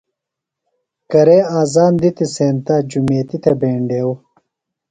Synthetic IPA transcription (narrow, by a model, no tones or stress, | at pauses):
kɐɾeːaːzaːnd̪it̪iseːnt̪aːd͡ʑumeːt̪it̪ʰɐbeːɳɖeːw